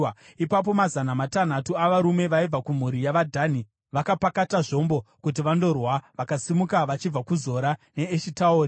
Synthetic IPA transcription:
ipap̬o̞mazanamatan̤atuaʋaɾume̞ʋaib͡vakum̤uɾijaʋadʱani | ʋakapakataʐo̞mbo̞kut̬iʋando̞rwaʋakasimukaʋat͡ʃib͡vakuzo̞ɾane̞ːʃitauːri

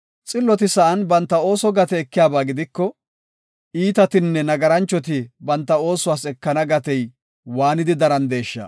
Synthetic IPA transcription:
t͡sʼɪlːɔt̪ɪsɐʔɐnbɐnt̪ːɐo̞ːsɔɡɐt̪ɛɛkːɪjaːbaːɡɪd̪ɪkːɔ | iːt̪ɐt̪ɪnːɛnɐɡɐɾɐnt͡ʃːɔt̪̬ɪbɐnt̪ːɐo̞ːsʊwaːsɛkːɐnɐɡɐt̪ɛj | waːnɪd̪ɪd̪ɐɾɐnd̪e̞ːʃːɐ̰

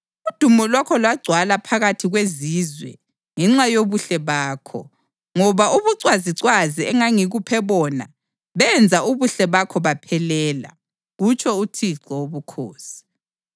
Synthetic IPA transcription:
ud̥ʱumɔlwakʰɔlwaɡ͡ǀʱwalapʰaɣatʰiɣweziːzwɛ̰ | ŋɛŋ͡ǁajoβuɬɛβaːkʰɔ̰ | ŋɔβaʔuβuǀwaziǀwaziɛŋaŋiɣupʰɛβɔna̰ | βɛnd͡zʱauβuɬɛβakʰɔβapʰɛlɛːla̰ | ɣut͡ʃʼʰɔutʰiǀɔoβukʰo̰ːsi̥

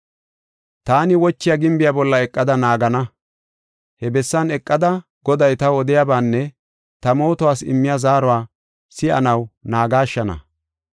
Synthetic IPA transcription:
t̪aːnɪwɔt͡ʃːɪjaɡɪmbɪjabɔlːɐɛkʼːɐd̪ɐnaːɡɐnɐ | hɛbɛsːɐnɛkʼːɐd̪ɐ | ɡ̥ɔd̪ɐjt̪ɐwɔd̪ɪjaːbaːnːɛ | t̪ɐmo̞ːt̪ʊwaːsɪ̰mːɪjazaːɾɔwaː | sɪɐ̰nɐwnaːɡaːʃːɐnɐ̰

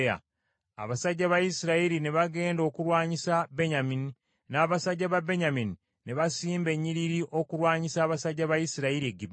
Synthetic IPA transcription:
a̰ | a̰βasaɟːaβajisiɾaiɾine̞βaɡe̞ːndo̞ːkuɾwaːɲisabe̞ɲamini | naːβasaɟːaβabe̞ɲamini | ne̞βasiːmbe̞ɲːiɾiɾiʔo̞kuɾwaːɲisaːβasaɟːaβajisiɾaiɾieɡib

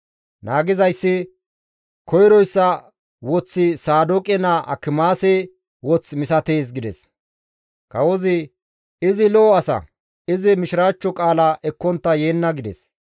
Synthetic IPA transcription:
naːɡɪzɐjsːɪ | kɔjɾɔjsːɐ | wɔt͡sːɪsaːd̪okʼɛnaʔɐ̰kːɪmaːsɛ | wɔt͡smɪsɐt̪eːs̬ɡɪd̪ɛs | kɐwɔzɪ | ɪzɪlɔːɐsɐ̰ | ɪzɪmɪʃɪɾaːt͡ʃːɔkʼaːlɐʔɛkːɔnt̪ːɐje̞ːnːɐɡɪd̪ɛ̰s

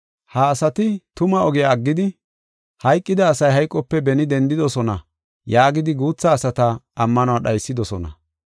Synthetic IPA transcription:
hɐːsɐt̪ɪt̪ʊmɐɔɡɪjaːɡːɪd̪ɪ | hɐjkʼːɪd̪ɐːsɐjɦɐjkʼːɔpːɛbɛnɪd̪ɛnd̪ɪd̪ɔsɔnɐ | jaːɡɪd̪ɪɡuːt͡sːɐːsɐt̪ɐːmːɐnʊwaɗɐjsːɪd̪ɔsɔnɐ̰

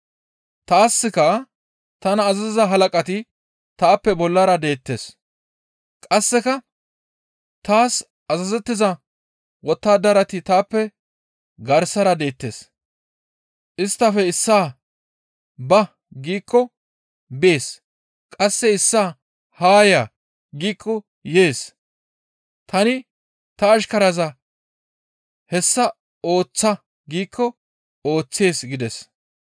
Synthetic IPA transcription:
t̪aːsːɪkɐ | t̪ɐnɐːzɐzɪzɐɦɐlɐkʼɐt̪ɪ | t̪aːpːɛbɔlːɐɾɐd̪e̞ːt̪ːeːs | kʼɐsːɛkɐ | t̪aːs | ɐzɐzɛt̪ːɪzɐ | wɔt̪ːaːd̪ɐɾɐt̪ɪt̪aːpːɛ | ɡɐɾsɐɾɐd̪e̞ːt̪ːe̞ːs | ʔɪst̪ːɐfɛɪsːaː | bɐ | ɡiːkːɔ | bɪeːs | kʼɐsːɛɪsːaː | haːjaː | ɡiːkʰːɔ | je̞ːs | t̪ɐnɪ | t̪ɐːʃkɐɾɐzɐ | hɛsːɐ | o̞ːt͡sːɐ | ɡiːkʰːɔ | o̞ːt͡sːe̞ːsɡɪd̪ɛs

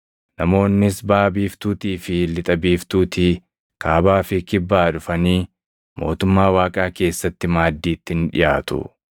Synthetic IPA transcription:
nɐmo̞ːnːɪsbaːbiːft̪uːt̪iːfɪlɪt̪ʼɐbiːft̪uːt̪i | kʰaːbaːfɪkɪbːaːd̪ʊfɐniː | mo̞̰ːt̪ʊmːaːwaːkʼaːke̞ːsːɐt̪ːɪmaːd̪ːiːt̪ːɪɪnᶑɪ̰jaːt̪ʊ̰

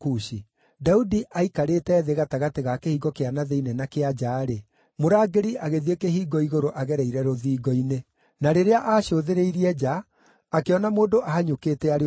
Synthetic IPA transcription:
kuɕi | daudiʔaikaɾetɛːðeɣataɣateɣakehiːɡɔkeanaðeinɛnakead͡ʒaːɾe | moɾaːɡeɾiaɣeðiekeɦiːɡɔiɣoɾoʔaɣɛɾɛiɾɛɾoðiːɡɔine | naɾeɾeaʔaːʃoðeɾeiɾiɛd͡ʒaː | keɔnamoːdoʔahaɲokeːtɛaɾe

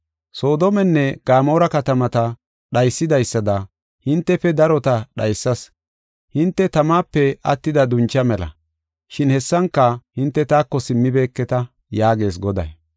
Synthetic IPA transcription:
so̞ːd̪oɔmɛnːɛɡ̥aːmo̞ːɾɐkɐt̪ɐmɐt̪ɐ | ɗɐjsːɪd̪ɐjsːɐd̪ɐ | hɪnt̪ːɛfɛd̪ɐɾɔt̪ɐɗɐjsːɐs | hɪnt̪ːɛt̪ɐmaːpːɛɐt̪ːɪd̪ɐd̪ʊnt͡ʃːɐmɛlɐ̰ | ʃɪnhɛsːɐŋkːɐhɪnt̪ːɛt̪aːkːɔsɪmːɪbe̞ːkːɛt̪ɐ | jaːɡe̞ːs̬ɡɔd̪ɐ̰j

